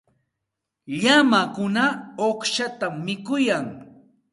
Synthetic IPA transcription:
ʎamakʊnaoχʃat̪amːɪkʊjaŋ

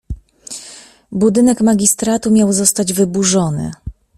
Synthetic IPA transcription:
bud̪ɘnɛkmaɡʲist̪ɾat̪umʲjawzɔst̪ad͡ʑvɘbuʐɔnɘ̰

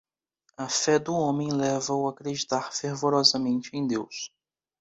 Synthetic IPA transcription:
ɐfɛd̪ʊõmẽj̃lɛvɐʊakɾed͡ʒit̪aɾfeɾvoɾɔzɐmẽnt͡ʃɪẽj̃d̪ews

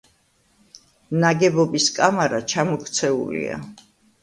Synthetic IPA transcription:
naɡɛbɔbiskʼamaɾat͡ʃʰamɔkʰt̪sʰɛṵlḭa̰

